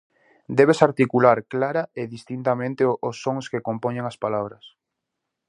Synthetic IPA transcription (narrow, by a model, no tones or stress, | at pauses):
d̪ɛβesaɾt̪ikulaɾklaɾaeðist̪int̪amẽnt̪ɪʔosːoŋskekompoɲeŋɐspalaβɾɐs